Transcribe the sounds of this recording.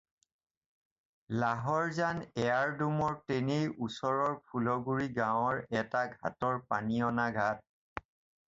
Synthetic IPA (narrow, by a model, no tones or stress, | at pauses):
laɦɔɹzanɛaɹdumɔɹtenejusɔɹɔɹpʰulɔɡuɹiɡãwɔɹɛtaɡʱa̰tɔɹpaniɔnaɡʱat̚